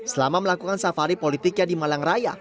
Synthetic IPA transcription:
səlamaməlakukansafaɾipolit̪ɪkjadimalaŋraja̰

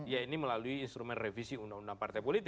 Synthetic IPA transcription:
jainiməlaluiːnst̪ɾumɛnrefisiunaŋundaŋpart̪ajpolit̪ɪ

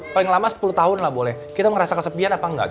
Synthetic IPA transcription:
palɪŋlamasə̥pulut̪aɦʊnlahbolɛhkit̪aməɾasakəsəpianapaŋɡa̰ʔ

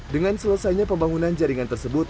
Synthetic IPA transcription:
dəŋansələsajɲapəmbaŋunand͡ʒaɾiŋant̪ərsəbʊt̪

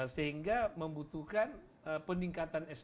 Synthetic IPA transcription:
səɦiŋɡaməmbut̪ukan | əpəniŋkat̪anɛs

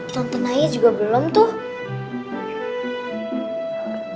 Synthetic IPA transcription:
t̪ɔnt̪ənajid͡ʒuɡabəlɔmt̪ʊh

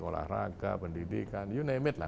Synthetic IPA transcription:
kola̰hɾakapəndidikanjunajmɪt̪̚la̰

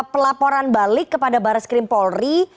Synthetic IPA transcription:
pəlapɔɾanbalɪkːəpadabaɾaskɾɪmpɔlri

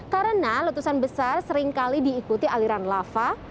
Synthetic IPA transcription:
kaɾənalut̪usanbəsarsəɾɪŋkalidiːkut̪iʔaliɾanlafa

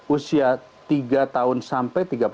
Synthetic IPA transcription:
usia | t̪iɡat̪aʊnsampɛjt̪iɡap

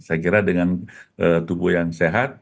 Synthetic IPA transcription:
sakiɾadəŋanʔət̪ubʊhjaŋseɦat̪̚

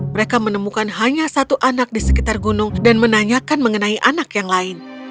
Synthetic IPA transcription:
məɾekamənəmukanɦaɲasat̪uʔanak̚disə̥kit̪arɡunʊŋdanmənaɲakanməŋənaiʔanakjaŋlaɪn

